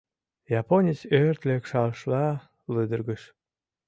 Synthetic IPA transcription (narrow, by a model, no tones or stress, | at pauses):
jɑponʲit͡sørt̪lekʃɑlʃlɑ | lɨd̪ərɡəʃ